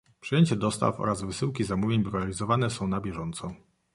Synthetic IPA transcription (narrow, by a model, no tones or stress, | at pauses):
pʂɨjeɲt͡ɕɛd̪ɔst̪a̰fɔ̰ɾazvɘsɘwkʲizamuvʲjeɲbɾuvalʲizɔvanɛsɔ̃w̃nabʲjɛʐɔnt̪sɔ